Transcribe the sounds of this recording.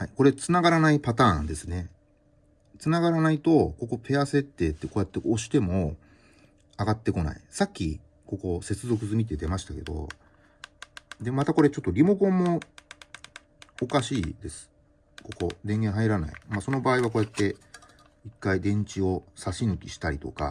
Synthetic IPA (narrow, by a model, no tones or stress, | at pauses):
haiko̞ɾe̞t͡sɨnaɡaɾanaipat̪ãːnd̪e̞sɨne̞ | t͡sɨnaɡaɾanait̪o̞ko̞ko̞pʰe̞ase̞t̪ːe̞ːt̪ːe̞koːjat̪ːe̞oɕi̥t̪e̞mo̞ | aɡat̪ːe̞ko̞na̰ḭsakʲːi | ko̞ko̞se̞t͡sɨzo̞kɯ̟zɨmʲit̪̬e̞d̪e̞maɕi̥t̪ake̞d̪o̞̰ | d̪e̞mat̪ako̞ɾe̞t͡ɕo̞t̪ːoɾʲimo̞kõ̞mːo̞ | okaɕiːd̪e̞sɨ̥ | ko̞ko̞d̪ẽ̞ŋɡẽɦaiɾana̰ḭmaso̞no̞baːiβ̞ako̞ːjat̪ːe̞ | ikːaid̪ẽ̞ɲ̟t͡ɕio̞saɕinɯ̟kʲiɕi̥t̪aɾʲit̪o̞ka̰